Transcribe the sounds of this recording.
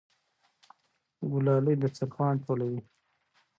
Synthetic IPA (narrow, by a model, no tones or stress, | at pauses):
ɡʊlɑləjd̪ət͡saɾpɑːɳʈolawi